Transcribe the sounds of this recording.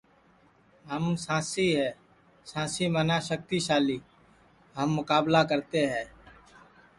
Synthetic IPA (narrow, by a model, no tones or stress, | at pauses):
ɦəmsãːsiɦɛː | sãːsimənaʃək̚t̪iʃaːliː | ɦəmːʊkaːblakəɾt̪eɦɛ̃ː